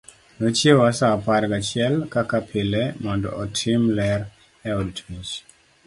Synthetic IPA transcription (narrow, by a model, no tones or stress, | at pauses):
not͡ʃjewasaːpaɾɡat͡ʃɪɛlkakapʰɪlɛmɔndɔ̰ʔɔtʰimlɛr | ɛɔdtmit͡ʃ